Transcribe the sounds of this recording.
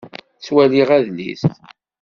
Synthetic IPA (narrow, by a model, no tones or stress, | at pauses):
t͡sːwæliʁæðlḭst̪